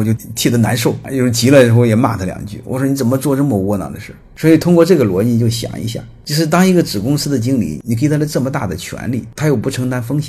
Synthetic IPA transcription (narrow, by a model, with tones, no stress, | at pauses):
ɔ˧˩t͡ɕjo˥˧ʊt̪ʰi˥˩d̪ə˦na̰˧˥nʂo˥˩ʊjo˥˧ʊʂo˥˩t͡ɕi˧˥lə˧ʂɻ̩˧˥xʊjɛ˨˩ma̰˥˩t̪ʰə˥ljɑ̰˨˩ŋt͡ɕy̰˥˩wɔ̰˨˩ʂwɔ˥ni˧˥t͡sə˨˩nmə˦t͡swɔ˥˧ʈ͡ʂɤ˥˩mə˧wɔ˧˥˩nɑ̰˧˩d̪ə˧ʂɻ̩˥˩swɔ˧˥i˨˩t̪ʰʊ˥ŋkwɔ˥˧ʈ͡ʂɤ˥˩ɡə˩lwɔ˧˥i˥t͡ɕjo˥˩ʊɕjɑ̰˨˩ŋḭ˧˥ɕja̰˥˩t͡ɕjo˥˧ʊʂɻ̩˥˩t̪ɑ˥ŋi˧˥ɡə˧ʈ͡ʂɻ̩˨˩kʊ˥ŋsɹ̩˥d̪ə˨t͡ɕi˥ŋlḭ˧˩ni˨˩kʰɪt̪ʰa˥d̪ə˧ʈ͡ʂɤ˥˩mə˩t̪a̰˥˩d̪ə˩t͡ɕʰɥɛ̰˧˥nli˥˩t̪ʰa˥jo˨˩ʊpu˧˥ʈ͡ʂʰɤ˧˥ŋt̪a˧˥nfɤ˥ŋɕjɛ˨˧˩